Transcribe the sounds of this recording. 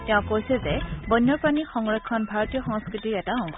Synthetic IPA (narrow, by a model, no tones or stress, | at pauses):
tɛʊ̃kojsɛzɛbɔjnːɔɹpɹanixɔŋɹɔkʰːɔnbʱaɹɔtijɔxɔŋskɹitiɹɛtaɔ̃